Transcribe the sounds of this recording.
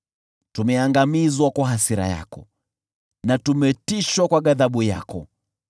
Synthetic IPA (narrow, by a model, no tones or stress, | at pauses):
tumɛaŋɡamizwakwaɦasiɾa̰ja̰kɔ | natumɛtiʃwakwaɠaðaɓuja̰kɔ̰